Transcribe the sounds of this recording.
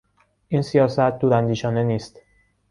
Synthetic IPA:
ʔiːnsijɒːsæt̪̚ʰd̪uːɾænd̪iːʃɒːneniːst̪

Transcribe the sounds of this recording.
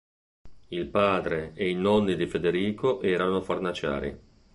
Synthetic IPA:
ilpaːd̪ɾeeinɔnːid̪ifed̪eɾiːkoʔɛːɾanofarnat͡ʃa̰ːɾḭ

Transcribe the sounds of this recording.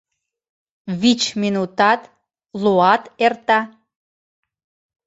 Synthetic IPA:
βit͡ɕminut̪ɑt̪ | luɑt̪ert̪ɑ

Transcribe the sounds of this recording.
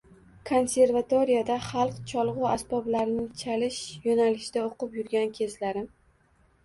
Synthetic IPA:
kʰo̞nsʲe̞ɾvat̪oɾijad̪aχɑlˠqt͡ʃʰɒlˠʁʊasbɒblaɾnɪŋt͡ʃʰalɪʃjonalɪʃɪd̪aoqɨpjʊɾɡʲankʲʰe̞zlaɾɪm

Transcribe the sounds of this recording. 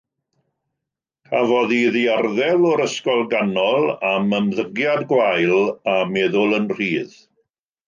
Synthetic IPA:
kʰavɔðiðiarðɛlɔɾəskɔlˠɡanɔlˠaməmðəɡjadɡwajlˠamɛːðʊlˠənr̥iːð

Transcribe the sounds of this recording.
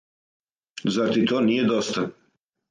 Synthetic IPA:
zaɾt̪it̪oːnijed̪ost̪a

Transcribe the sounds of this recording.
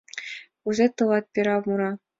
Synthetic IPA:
uzʲet̪ɤ̆lɑt̪̚pʲiɾɑmuɾɑ

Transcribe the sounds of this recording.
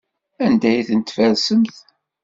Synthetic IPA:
ænd̪æjθənt̪ːfæɾsəmθ

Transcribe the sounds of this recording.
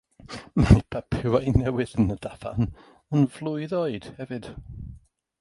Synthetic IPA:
majpʰapʰɪwajnɛwɪðənədav̥a̰n | ənvlˠʊɨðoɨd̥hɛvɨd̥

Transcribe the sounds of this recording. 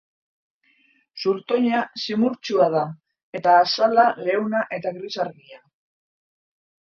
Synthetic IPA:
suɾt̪o̞ɲasimuɾt͡ʃuað̞a | e̞t̪aːsalale̞wnaʔe̞t̪aɣɾisaɾɣia

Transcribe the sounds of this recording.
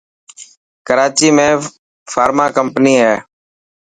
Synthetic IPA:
kəɾaːt͡ʃiːmẽː | faːɾmaːkəmpniːɦeː

